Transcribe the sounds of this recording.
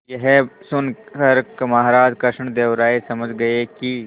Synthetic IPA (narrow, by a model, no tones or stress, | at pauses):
jɐɦɛsʊnkɐɾkmaɦaɾaːd͡ʒkɐʃɳd̪eːʋɾaːesɐməd͡ʒɡɐeki